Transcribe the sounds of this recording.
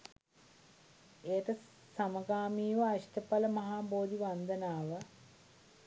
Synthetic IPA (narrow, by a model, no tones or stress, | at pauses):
eːət̪ə | saməɡaːmiːʋəaʃʈəpaləmɐɦaːboːd̪iʋand̪ənaːʋə